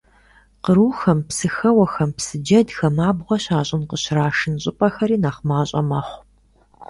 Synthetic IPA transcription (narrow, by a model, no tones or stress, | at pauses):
qəɾuːxɐmpsɨxɐwɐxɐmpsɨd͡ʒɐdxɐmaːbʁʷɔɕaːɕʼɪnqəɕraːʂɨnɕʼɪpʼɐxɐɾiːnaːχmaːɕʼɐ̰mɐχʷ